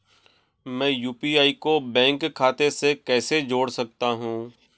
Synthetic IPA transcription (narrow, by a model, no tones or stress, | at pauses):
mɛ̃ːjuːpiaːikobɛ̃ːŋkʰːaːt̪esekɛːsed͡ʒoːɽsɐk̚t̪aɦũː